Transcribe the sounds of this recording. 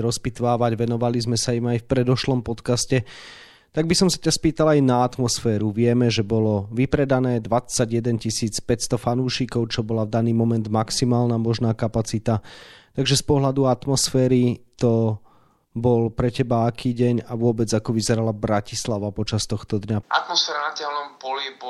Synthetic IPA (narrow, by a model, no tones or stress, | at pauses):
ɾɔspit̪ʋaːʋaɟʋɛnɔʋalizmɛsaimajfpɾɛd̪ɔʃlɔmpɔt̪kascɛ | t̪aɡ̚bisɔmsḁcaspiːt̪alajnaat̪mɔsfɛːɾuʋɪɛmɛʒɛbɔlɔʋipɾɛd̪anɛːd̪ʋat͡sːaɟjɛd̪ɛncisiːt͡spɛcst̪ɔfanuːʃikɔʊt͡ʃɔbɔlavd̪aniːmɔmɛnd̪maksimaːlnamɔʒnaːkapat͡sit̪at̪aɡʒɛspɔɦlad̪uat̪mɔsfɛːɾit̪ɔ | bɔlpɾɛcɛbaakiːɟɛɲaʋʊɔbɛd͡zakɔʋizɛɾalabɾacislaʋapɔt͡ʃast̪ɔxt̪ɔd̪ɲaa̰t̪mɔsfɛːɾanat̪ɪɛlnɔmpɔlib